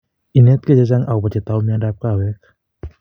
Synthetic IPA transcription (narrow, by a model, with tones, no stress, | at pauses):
ʔi˧˨ne˦˥t̪̚kɯ˧˩t͡ɕa˧˨t͡ɕa˧ŋʔa˨wpa˧˩t͡ɕe˧˩t̪ːa˧wmi˧˨a˧da˧˩p̚kaː˧˩wɛ˧˥k̚